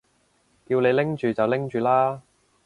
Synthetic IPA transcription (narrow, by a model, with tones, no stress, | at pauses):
kiː˧wne˨˧jlɪ˥ŋt͡ʃyː˨t͡sɐ˨wlɪ˥ŋt͡ʃyː˨laː˥